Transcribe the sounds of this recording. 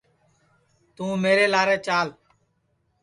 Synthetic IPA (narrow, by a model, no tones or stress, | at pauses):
t̪ũːmeːɾeːlaːɾeːt͡ʃaːl